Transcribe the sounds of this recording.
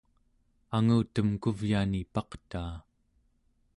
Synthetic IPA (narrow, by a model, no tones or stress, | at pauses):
aŋuːt̪əmkuvjaːnipɑqt̪aː